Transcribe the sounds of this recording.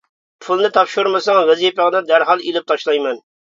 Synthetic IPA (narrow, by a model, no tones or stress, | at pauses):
pʰulˠnɨt̪ʰɑpʃuɾmɨsɑŋvɛzijpəʁnɨd̪æɾɦɑlˠilɪp̚t̪ʰɑʃlˠɑjmɛn